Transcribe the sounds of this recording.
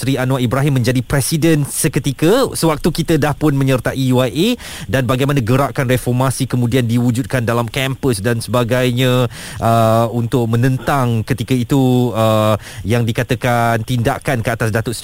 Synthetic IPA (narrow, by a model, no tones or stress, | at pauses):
ɾianũaʔibɾaɦimːə̃ɲd͡ʒadipɾɛsidənsəkət̪ikəsəwak̚t̪ukit̪ədahpʊnmə̃ɲərt̪aʔijuajʔe | danbaɡajmanãɡəɾaʔkanrefɔrmasikəmũdiandiwud͡ʒut̪̚kandalamkɛmpəsdansəbaɡajɲã | ʔəunt̪ʊk̚mə̃nə̃nt̪aŋkət̪ikəit̪uə | jaŋdikat̪əkant̪indaʔkankəat̪asdat̪ʊʔs